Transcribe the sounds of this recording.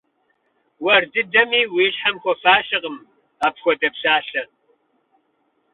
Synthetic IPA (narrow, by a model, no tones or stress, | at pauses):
wɐrdɨdɐmiːwiːɕħamxʷɔfaːʃɪqəm | aːpxʷɔdɐpɕaːɬɐ